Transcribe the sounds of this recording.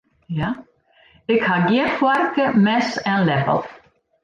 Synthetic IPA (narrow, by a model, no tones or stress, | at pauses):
ja | ɪkhaɡɛɾfwaɾkəmɛsɛ̃nlɛpə̰lˠ